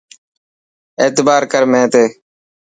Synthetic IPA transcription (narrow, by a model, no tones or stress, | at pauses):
eːt̪baːɾkəɾmẽːt̪eː